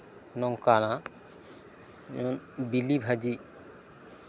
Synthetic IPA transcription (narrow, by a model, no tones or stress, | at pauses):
nɔŋkana | ɔnbilibʱad͡ʒi